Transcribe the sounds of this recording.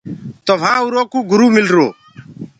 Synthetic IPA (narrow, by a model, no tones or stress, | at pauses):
t̪ɔʋ̤ʱãːuɾoːkuːɡʊɾuːmɪlɾoː